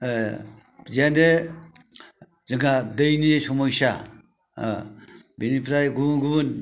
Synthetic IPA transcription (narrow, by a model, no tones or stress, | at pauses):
zande | zɯŋadɯjnisɔmɔjsa̰ | binipʰɾajɡuɡuβun